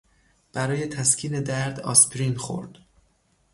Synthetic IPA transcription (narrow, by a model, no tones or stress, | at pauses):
b̥æɾɒːje̞t̪ʰæscʰiːne̞d̪æɾd̪ɒ̰ːspʰɾinxo̰ɾd̪̥